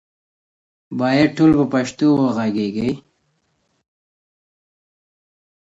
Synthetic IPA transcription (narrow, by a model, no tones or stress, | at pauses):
bɑːjad̪̚ʈolpəpaʃt̪owəɣaɡeɡəj